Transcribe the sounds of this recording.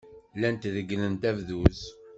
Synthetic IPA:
lænt̪ðəɡːnənt̪ævðuz

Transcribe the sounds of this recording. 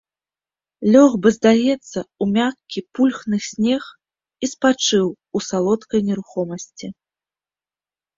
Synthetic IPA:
lʲɔɣbɨzd̪ajɛt̪sːɐumʲakʲipulʲxnɨsʲnʲɛx | ispat͡ʂɨw | usalˠɔt̪kɐjnʲɛɾuxɔmɐsʲt͡sʲi

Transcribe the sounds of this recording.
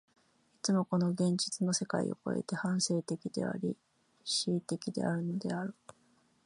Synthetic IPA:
it͡sɨmo̞ko̞no̞ɡẽ̞ɲ̟d͡ʑit͡sɨno̞se̞ka̰ḭo̞̰ko̞̰e̞̰t̪e̞hãɰ̃se̞ːt̪e̞kʲid̪̥e̞̰a̰ɾʲi | ɕiːt̪e̞kʲid̪e̞̰ʔaɾɯ̟no̞d̪e̞̰aɾɯ̟

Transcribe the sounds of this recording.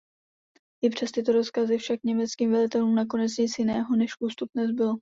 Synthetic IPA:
ʔɪpr̝̥ɛst̪ɪt̪o̞ɾo̞skazɪfʃakɲɛmɛt͡skiːmvɛlɪt̪ɛluːmnak̬o̞nɛt͡sɲɪt͡sjɪnɛːɦo̞nɛʃʔust̪up̚nɛzbɪlo

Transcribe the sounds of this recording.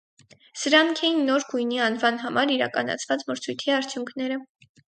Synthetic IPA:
səɾɑŋkʰɛjinːɔɾɡujniɑnvɑnɦɑmɑɾiɾɑ̰kɑnɑ̰t͡sʰvɑt͡sməɾt͡sʰujt̪ʰiɑɾt͡sʰjuŋkʰnɛɾə

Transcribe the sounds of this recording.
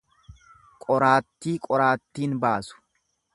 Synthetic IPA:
kʼɔɾaːt̪ːiːkʼɔɾaːt̪ːiːnbaːsʊ̥

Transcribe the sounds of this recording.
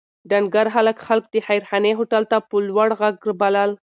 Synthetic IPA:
ɖanɡaɾɦaləkxalk̚d̪əxajɾxaneɦoʈalt̪apəlwaɽɣaɡɾbalal

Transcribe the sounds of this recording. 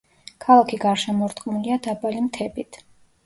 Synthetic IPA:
kʰalˠakʰiɡaɾʃɛmɔɾt̪ʼqʼmuliad̪abalimt̪ʰɛbit̪ʰ

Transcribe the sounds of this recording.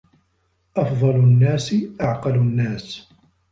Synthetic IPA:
ʔɑfðˤɑlʊnːaːsɪʔɑʕqɑlʊnːaːs

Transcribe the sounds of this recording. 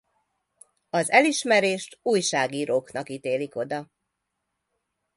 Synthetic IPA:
ɒzɛliʃmɛɾeːʃt̪uːjʃaːɡiːɾoːknɒkit̪eːliko̞d̪ɒ

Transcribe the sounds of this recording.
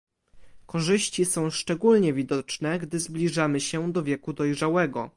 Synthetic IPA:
kɔʐɘɕt͡ɕisɔ̃w̃ʂt͡ʂɛɡulɲɛvʲid̪ɔt͡ʂnɛɡd̪ɘzblʲiʐamɘɕɛd̪ɔvʲjɛkud̪ɔjʐawɛɡɔ

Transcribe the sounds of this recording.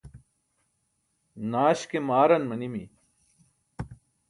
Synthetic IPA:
naːɕkemaːɾɐnmɐnimḭ

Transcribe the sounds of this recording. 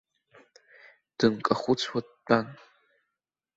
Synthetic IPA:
d̥ɨnkʼɐχʷʊt͡sʰʼwad̚b̥an

